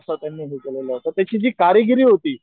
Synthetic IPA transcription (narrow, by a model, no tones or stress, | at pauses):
sət̪janːiːɦekəleləɦot̪at̪jat͡ɕiːd͡ʑiːkaɾiɡiɾiːɦot̪iː